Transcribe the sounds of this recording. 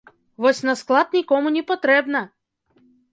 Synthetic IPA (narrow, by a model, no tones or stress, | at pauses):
vɔsʲnɐsklˠat̪̚nʲɪkɔmʊnʲɪpɐt̪ɾɛbnɐ